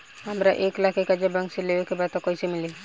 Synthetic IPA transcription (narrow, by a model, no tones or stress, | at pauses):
amɾaʔeklakekad͡ʒabaŋselewekebat̪ɔkɔjsemili